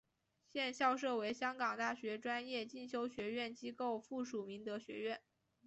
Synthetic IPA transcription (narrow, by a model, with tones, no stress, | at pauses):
ɕjɛ˥˧nɕjɑ˥˧ʊʂɤ˥˩we˧˥ɪɕjɑ˥ŋkɑ˨˩ŋt̪a˥˩ɕɥɛ˧˥ʈ͡ʂwa˥njɛ˥˧t͡ɕi˥˩nɕjo˥ʊɕɥɛ˧˥ɥɛ˥˩nt͡ɕi˥ko˥˩˧ʊfu˥˩ʂu˨˩mi˧˥ŋt̪ɤ˧˥ɕɥɛ̰˧˥ɥɛ˥˩n